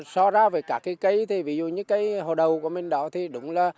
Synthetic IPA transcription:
sɔ˧zaː˧veː˨˩kaː˦˥˩kːaː˨˦kə˨˦jt̪ʰi˨˩vi˨˧˦zṵ˧˨ɲɨ̰˧˥ŋkaː˨˦jɦo̰˧˨ɗə˨˩wku˧˩əmï˨˩ŋ̟ɗɔ˧˦t̪ʰi˨˩ɗʊ̰˨˧˥ŋ͡mlaː˨˩

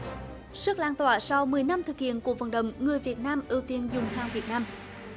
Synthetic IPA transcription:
sɨ˦˥k̚laː˧nt̪waː˧˩sa˧wmɨ˨˩əjna˧mt̪ʰɨ˨˩k̚hḭ˧˨ənku˧˩əvə̰˧˩nɗə̰˧˨wŋ͡mŋɨ˨˩əjvi˨˩ət̚naː˧mʔi˧˩wt̪i˧ənzʊ˨˩ŋ͡mhaː˧ŋvi˨˩ət̚naː˧m

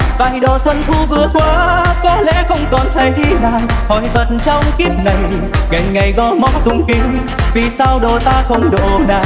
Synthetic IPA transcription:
vaː˧˨˩jɗo˨˩sə˧nt̪ʰu˧vɨ˧əkwaː˨˧kɔ˨˦lɛ̰˧˥xə˧wŋ͡mkɔ˨˩nt̪ʰa˨˩jʔi˧naː˨˩whɔ˨˩jvə˨˩t̚nt͡ɕɔ˧wŋ͡mki˦˥ət̚na˨˩j | ŋa˨˩jŋ̟ŋa˨˩jɣɔ˧˦mɔ˨˦t̪ʊ˧˩ŋ͡mkï˧˩ŋ̟ | vi˨˩saː˧wɗo˨˩t̪aː˧xə˧wŋ͡mɗo˨˩naː˨˩

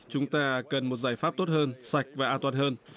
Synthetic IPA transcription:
t͡ɕʊ˨˦ŋ͡mt̪aː˧kə˨˩nmo˨˩t̚zaː˧˩jfaː˦˥p̚t̪o˦˥t̚həː˧nsa˨˩jk̟̚vaː˨˩ʔaː˧nt̪waː˧˨nhəː˧n

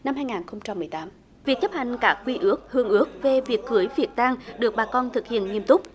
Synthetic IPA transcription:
na˧mɦaː˧jŋaː˨˩nxə˧wŋ͡mt͡ɕa˧mːɨ˨˩əjt̪aː˨˦m | vi˨˩ək̚t͡ɕə˦˥p̚ha˨jŋ̟kaː˦˥k̚kwi˧ʔɨ˦˥ək̚hɨ˧əŋʔɨ˦˥ək̚ve˨˩vi˨˩ək̚ːɨ˨˦əjvi˨˩ət̚t̪aː˧ŋɗɨ˨˩ək̚ɓaː˨˩kɔ˧nt̪ʰɨ˨˩k̚hḭ˧˨ənŋi˧əmt̪ʊ˦˥k͡p̚

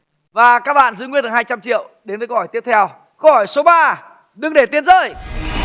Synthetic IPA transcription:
vaː˨˩kaː˦˥k̚ɓa̰ː˧˨nzɨ̰˧˥jŋwi˧ənt̪ːhaː˧jt͡ɕa˧mt͡ɕḭ˧˨əwɗe˨˦nvə˨˦khɔ˧˩jt̪i˦˥əp̚t̪ʰɛ˧w | kə˧whɔ˧˩jso˨˦ɓaː˧ | ɗɨ˨˧ŋɗe˧˩t̪i˧ənzəː˧˨˩j

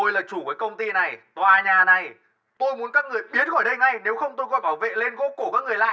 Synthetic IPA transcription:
o˧jlaː˨˩t͡ɕu˧˩vəː˨˦jkə˧wŋ͡mt̪i˧na˨˩jt̪waː˨˩ɲaː˨˩na˨˩j | t̪o˧jmu˨˦ənkaː˨˦˥k̚ŋɨ˨˩əjɓi˨˦ət̚ɣɔ˧˩jɗə˧jŋa˧jne˨˦wxə˧wŋ͡mt̪o˧jkɔ˧˦jɓaː˧˩wvḛ˧˨le˧nɣo̰˧˥ku˧˩kaː˦˥kːŋɨ˨˩əjla̰ː˧˨

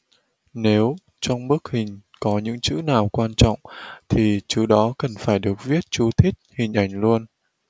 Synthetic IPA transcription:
ne˨˦w | t͡ɕɔ˧wŋ͡mɓɨ˦˥k̚hï˨˩ŋ̟kɔ˨˦ɲɨ̰˧˥ŋt͡ɕɨ̰˧˥naː˨˩wkwaː˧nt͡ɕɔ̰˧˨wŋ͡mt̪ʰi˨˩t͡ɕɨ˨˦ɗɔ˨˦kə˨˩nfaː˧˩jɗɨ˨˩ək̚vi˦˥ət̚t͡ɕu˨˦t̪ʰi˦˥t̚hï˨˩ŋ̟ʔa˧˩jŋ̟lu˧ən

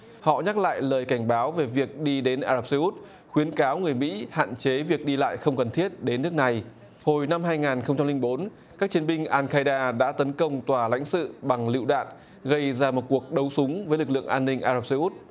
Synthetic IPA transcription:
hɔ̰˧˨ɲa˦˥k̚la̰ː˧˨jləː˨˩jka˧˩jŋ̟ɓaː˨˦wve˨˩vi˨˩ək̚ɗi˧ɗe˨˦nʔaː˧zaː˨˩p̚sə˧ʔu˦˥t̚ | xwi˨˦ənkaː˨˦wŋɨ˨˩əjmḭ˧˥ha̰ː˧˨nt͡ɕe˨˦vi˨˩ək̚ɗi˧la̰ː˧˨jxə˧wŋ͡mkə˨˩nt̪ʰi˦˥ət̚ɗe˨˦nːɨ˦˥ək̚na˨˩j | ho˨˩jna˧mɦaː˧jŋaː˨˩nxə˧wŋ͡mt͡ɕa˧mlï˧ŋ̟ɓo˨˦n | kaː˦˥k̚t͡ɕi˨˦ənɓï˧ŋ̟ʔaː˧nkaː˧jɗaː˧ɗa̰ː˧˥t̪ə˨˦nkə˧wŋ͡mt̪waː˨˩la̰˧˥jŋ̟sɨ̰˧˨ɓa˨˩ŋlḭ˧˨wɗa̰ː˧˨n | ɣə˧jzaː˧mo˨˩t̚ku˨˩ək̚ɗə˨˦wsʊ˨˦ŋ͡mvəː˨˦jlɨ˨˩k̚lɨ̰˧˨əŋʔaː˧nːï˧ŋ̟ʔaː˧za˨˧˩p̚sə˧ʔu˦˥t̚

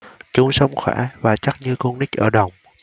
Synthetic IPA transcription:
t͡ɕʊ˧˦ŋ͡msə˧wŋ͡mxwɛ̰ː˧˩˦vaː˨˩t͡ɕa˦˥t̚ɲɨ˧ku˧ŋnï˦˥k̟̚ʔəː˧˩ɗə˨˩wŋ͡m

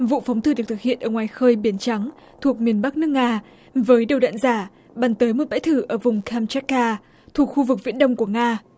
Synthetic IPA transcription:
vṵ˧˨fa˨˦wŋ͡mt̪ɨ˧˩ɨ˨˩k̚t̪ɨ˨˩hḭ˧˨ənʔəː˧˩ŋwaː˨˩jxəː˧jɓi˨˩ənt͡ɕa˨˦ŋ | t̪ʰu˨˩ək̚mi˨˩ənɓa˦˥k̚nɨ˦˥ək̚ŋaː˧ | vəː˨˦jɗə˨˩wɗa̰ː˧˨nzaː˧˩ | ɓaː˨˩nt̪əː˨˦jmo˨˩t̚ɓa̰˧˥jt̪ʰɨ˧˩ʔəː˧˩vʊ˨˩ŋ͡mkʰa˧mt͡ɕa˦˥kːaː˧ | t̪ʰu˨˩ək̚xu˧vɨ˨˩k̚vḭ˧˥nɗə˧wŋ͡mku˧˩əŋaː˧

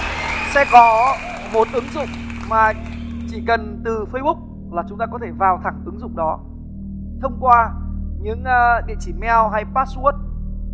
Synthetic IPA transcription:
sɛ̰˧˥kɔ˨˦ | mo˨˦t̚ʔɨ˨˦ŋzʊ̰˧˨ŋ͡m | maː˨˩ | t͡ɕi˧˩kə˨˩nt̪ɨ˨˩fə˧jɓʊ˦˥k͡p̚ | laː˨˩t͡ɕʊ˨˦ŋ͡mt̪aː˧kɔ˨˦t̪ʰe˧˩vaː˨˩wt̪ʰa˨˧˩ŋʔɨ˨˦ŋzʊ̰˧˨ŋ͡mɗɔ˨˦ | t̪ʰə˧wŋ͡mkwaː˧ɲɨ̰˧˥ŋː˨˧ɗḭ˧˨ət͡ɕi˧˩mɛ˧wɦa˧jpaː˦˥t̚su˦˥ət̚

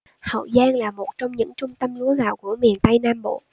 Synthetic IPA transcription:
hə̰˧˨wzaː˧nlaː˨˩mo˨˩t̚t͡ɕɔ˧wŋ͡mɲɨ̰˧˥ŋt͡ɕʊ˧ŋ͡mt̪ə˧mlu˨˦əɣa̰ː˧˨wku˧˩əmi˨˩ənt̪ə˧jnaː˧mɓo̰˧˨

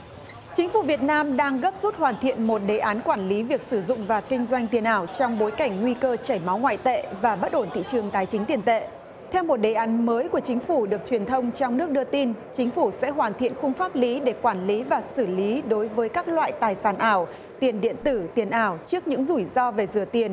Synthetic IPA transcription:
t͡ɕï˨˦ŋ̟fu˧˩vi˨˩ət̚naː˧mɗaː˧ŋɣə˦˥p̚zu˦˥t̚hwaː˨˩nt̪ʰḭ˧˨ənmo˨˩t̚ɗe˨˩ʔaː˨˦nkwaː˧˩nli˨˦vi˨˩ək̚sɨ˧˩zʊ̰˧˨ŋ͡mvaː˨˩kï˧ŋ̟zwa˧jŋ̟t̪i˨˩ənʔaː˧˩wt͡ɕɔ˧wŋ͡mɓo˨˦jka˧˩ŋ̟ŋwi˧kəː˧t͡ɕaː˧˩jma˨˦wŋwa̰ː˧˨jt̪ḛ˧˨vaː˨˩ɓə˦˥t̚ʔo˧˩nt̪ʰḭ˧˨t͡ɕɨ˨˩əŋt̪aː˨˩˦jt͡ɕï˨˦ŋt̪i˨˩ənt̪ḛ˧˨ | t̪ʰɛ˧wmo˨˩t̚ɗe˨˩ʔaː˨˦nməː˨˦jku˧˩ət͡ɕï˨˦ŋ̟fu˧˩ɗɨ˨˩ək̚t͡ɕwi˨˩ənt̪ʰə˧wŋ͡mt͡ɕɔ˧wŋ͡mnɨ˦˥ək̚ɗɨ˧ət̪i˧nt͡ɕï˨˦ŋ̟fu˧˩sɛ̰˧˥ɦwaː˨˩nt̪ʰḭ˧˨ənxʊ˧ŋ͡mfaː˦˥p̚li˨˦ɗe˧˩kwaː˧˩nli˨˦vaː˨˩sɨ˧˩li˨˦ɗo˨˦jvəː˨˦jkaː˦˥k̚lwa̰ː˧˨jt̪aː˨˩jsaː˧˩nʔaː˧˩w | t̪i˨˩ənɗḭ˧˨ənt̪ɨ˧˩t̪i˨˩ənʔaː˧˩wt͡ɕɨ˦˥ək̚ɲɨ̰˧˥ŋzu˧˩jzɔ˧ve˨˩zɨ˨˧˩ət̪i˨˩ən

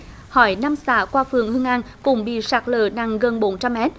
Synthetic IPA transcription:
hɔ˧˩˦jna˧msa̰ː˧˦kwaː˧fɨ˨˩əŋhɨ˧əŋʔa˧nkʊ̰˧˥ŋ͡mɓḭ˧˨saː˨˩k̚lə̰ː˧˨na˨˩ŋɣə˨˩nɓo˨˦nt͡ɕa˧mːɛ˦˥t̚

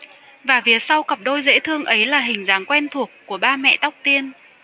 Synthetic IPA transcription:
vaː˨˩vi˨˦ət̚sa˧wkə˨˩p̚ɗo˧jzḛ˧˥t̪ʰɨ˧əŋʔə˨˦jlaː˨˩ɦï˨˩ŋ̟zaː˨˦ŋkwɛ˧nt̪ʰu˨˩əkːu˧˩əɓaː˧mɛ̰˧˨t̪a˦˥wk͡p̚t̪i˧ən

